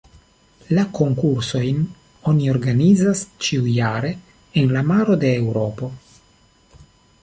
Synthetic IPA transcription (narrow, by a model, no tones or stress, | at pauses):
lako̞ŋkuɾso̞jn | o̞nio̞ɾɡanizast͡ʃiujaɾe̞ | enlamaɾo̞d̪e̞ːwɾo̞po̞